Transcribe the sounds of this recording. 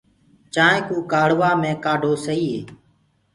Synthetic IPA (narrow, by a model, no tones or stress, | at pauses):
t͡ʃãːẽːkũːkaːɽ̤ʋaːmẽːkaːɖʱoːsəiːɦḛː